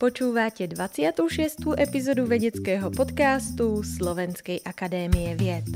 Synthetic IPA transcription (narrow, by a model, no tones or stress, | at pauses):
pot͡ʃuːvaːcɛdvat͡sɪat̪uwʃɛst̪uːʔɛpizoduvɛɲɛt͡skɛːɦopot̪kaːst̪uslovɛnskɛjʔakadɛːmijɛvjɛt̪